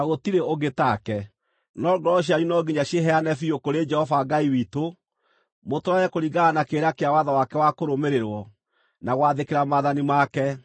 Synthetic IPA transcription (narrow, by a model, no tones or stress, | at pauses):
naɣotiɾeoɡetakɛ | nɔɡɾɔɕ̬jaɾunɔɡiɲaɕeɦɛanɛfiokoɾed͡ʒɛhɔvaɡaiwiːto | motoɾaɛkoɾiɡaːnakeːɾakeawaðawakɛwakoɾomeɾeɾwɔ | naɣwaðekeɾamaðanimakɛ